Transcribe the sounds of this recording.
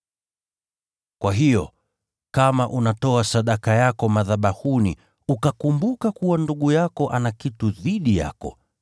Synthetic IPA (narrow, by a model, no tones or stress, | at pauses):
kwaɦijɔ | kamaʔunatɔasaɗakajakɔmaðaɓahunḭ | ukakumbukakuwanduɠujakɔʔanakituðiɗija̰kɔ̰